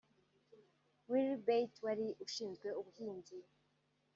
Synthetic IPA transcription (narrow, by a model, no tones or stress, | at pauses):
wilbejtwaɾiʔuʃiːnzɡwe̞uβuhiːndi